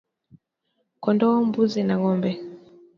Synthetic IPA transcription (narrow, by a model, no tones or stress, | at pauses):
kɔndɔɔmbuzinaŋɔmbɛ